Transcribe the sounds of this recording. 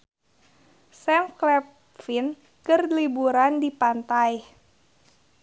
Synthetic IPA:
sɛmklɛp | fin | kɨrlibuɾandipant̪aj

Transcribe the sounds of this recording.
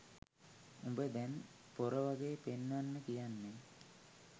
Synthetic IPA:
umbəd̪ɛn | poɾəʋaɡeːpenːʋanːəkijanːe

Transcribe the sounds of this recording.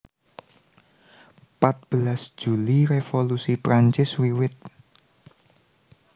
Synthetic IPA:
pat̪̚b̥əlasʒ̥ṳliɾefolusipɾaɲt͡ʃɪswiwɪt̪̚

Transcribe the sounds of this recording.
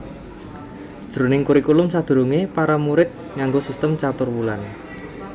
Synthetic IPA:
dd̥ʒ̥əɾonɪŋkuɾikulʊmsad̪̥ṳɾuŋepaɾamuɾɪt̪̚ | ŋaŋɡosist̪əmt͡ʃat̪ʊrwulan

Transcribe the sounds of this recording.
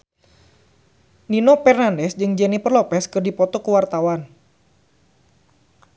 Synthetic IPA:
ninopɛrnandɛsd͡ʒɨŋd͡ʒɛnipərlɔpɛskɨrdipɔt̪ɔkəwart̪awan

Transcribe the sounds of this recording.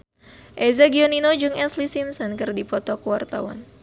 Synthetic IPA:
ʔezaɡioninod͡ʒʊŋɛslisimsɔnkɨrdipɔt̪ɔkuwart̪a̰wa̰n

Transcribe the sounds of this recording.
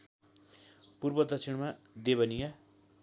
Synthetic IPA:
purbʌd̪ʱʌk̚sʰiɽma | d̪eβʌnija

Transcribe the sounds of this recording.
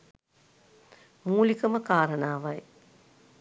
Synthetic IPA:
muːlikəməkaːɾənaːʋaj

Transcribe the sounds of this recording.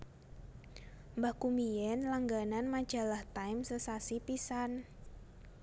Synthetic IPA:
mbahkumijɛnlaŋɡananmḁd͡ʒ̥a̤laht̪ajmsəsasipisan

